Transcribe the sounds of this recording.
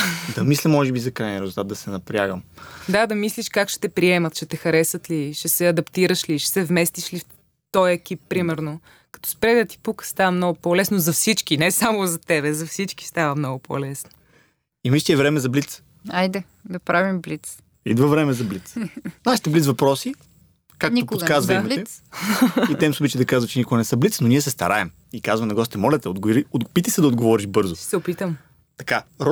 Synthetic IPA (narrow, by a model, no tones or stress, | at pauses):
d̪ɐmislimːɔʒɛbizɐkɾajniɾɛzulˠt̪at̪d̪ɐsɛnɐpɾʲja̰ɡəmd̪ad̪ɐmisliʃkakʃɛ̥t̪ɛpɾiɛmɐt̪ʃɛt̪ɛxɐɾɛsət̪liʃɛsɛɐd̪ɐpt̪iɾəʃliʃɛ̥sɛvmɛst̪iʃlif | t̪ɔjɛk̟ipːɾimɛɾno | kɐ̥t̪ɔ̥spɾɛd̪ət̪i̥pukə̥st̪avəmnɔɡʊpɔlɛsnozɐfsit͡ʃkinɛsamozɐt̪ɛβɛzɐfsit͡ʃki̥st̪avəmnɔɡʊpɔ̰lɛsno̥ | imiʃt̪ʲiɛvɾɛmɛzɐblit̪s | ajd̪ɛ | d̪ɐpɾavimblit̪s | ḭd̪vɐvɾɛmɛzɐblit̪snaʃi̥t̪ɛblit̪zvɐpɾɔsi | kaknookazvɐimɐɛ | it̪ɛimsobit͡ʃid̪ɐkazvətt͡ʃɛnikʊɡənɛsəblit̪snoniɛsɛst̪ɐ̰ɾaɛm | ikazvɐnɐɡɔst̪ɛmɔlʲɛt̪ɛoɡɾiod̪pit̪isɛd̪ɐod̪ɡovɔɾiʒbɤɾzʊsɛʊpit̪əm | t̪ɐ̥kaɾ